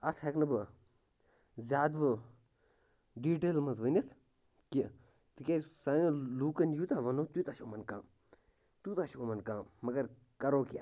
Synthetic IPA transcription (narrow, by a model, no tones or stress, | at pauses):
ɐt̪ʰeknɨbɨ | zʲjaːd̪ʋɨ | ɖiːʈeːlmɐzʋənɐt̪ʰ | ki | t̪ɨkʲeːsanɐluːkɐnd͡ʒjut̪ãːʋɐnoːt̪uːt̪aːʃoːmɐnkãːm | t̪ut̪aːʃoːmɐnkãːmmɐɡɐɾ | kɐɾoːkia̰